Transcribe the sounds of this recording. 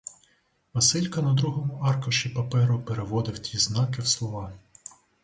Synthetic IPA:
mɐsɪlʲkɐnɐd̪ɾuɦɔmʊʔɑrkɔʃʲipɐpɛɾʊpeɾeʋɔd̪ɪwtʲiznɑkɪwslˠɔʋɑ

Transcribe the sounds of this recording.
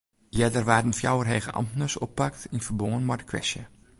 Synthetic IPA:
jɛdərʋaːdənfja̰wərɦejɣəʔɑ̰mtnəsɔpːaktinfərboŋənmɔdəkʰʋɛ̰sjə

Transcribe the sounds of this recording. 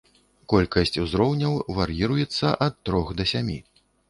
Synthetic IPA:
kɔlʲkɐsʲt͡sʲuzɾɔwnʲɐwvɐɾjiɾujɛt̪sːɐʔɐt̪ːɾɔxd̪ɐsʲamʲi

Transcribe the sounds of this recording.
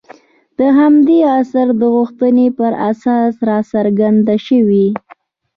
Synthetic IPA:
d̪̥əɦamd̪easaɾd̪əɣʊxt̪ənepəɾa̰sɑsɾɑsaɾɡand̪aʃəwi

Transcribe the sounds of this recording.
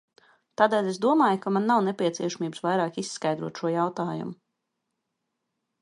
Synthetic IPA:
t̪aːd̪ɛːlʲesd̪uɔmaːjkamanːawnepʲiɛt̪siɛʃamiːbsvajɾaːkisːkajd̪ɾuɔt̪ʃuɔjawt̪aːjṵmʊ

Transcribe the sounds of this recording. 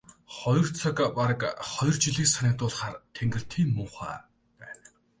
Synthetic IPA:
χɔj̆r̥t͡sʰakpaɾəkχɔjrt͡ɕiɮiːksanʲaːk̚t̪ʊːɮχaːrt̪ʰeŋɡɘ̆r̥t̪ʰiːŋmʊːχa̰ː | pæːn

